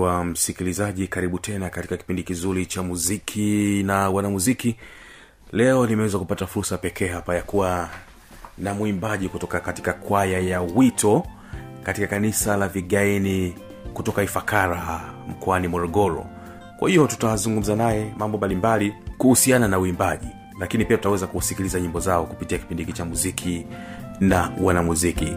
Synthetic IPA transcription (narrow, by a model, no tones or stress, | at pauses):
wam̩sikilizaʄikaɾiɓutʰɛnakati̥kakipindikizuɾit͡ʃamuzikʰinawanamuziki | lɛɔlimɛwɛzakupatafuɾsapɛkɛːɦapajakuwa | namwimbaʄikutɔkakati̥kakwajajawitʰɔ | katikakanisalaviɠaini | kutɔkaifakaɾam̩kɔanimɔɾɔɠɔɾɔ̰ | kwa̰hijɔtu̥tawazuŋɡum̩zanajɛmambɔmbalimbalikuhusiananauimbaʄi | lakinipiatutawɛzakusikilizaɲimbɔzaɔkupitiaki̥pindikit͡ʃamuzikʰi | nawanamuzikḭ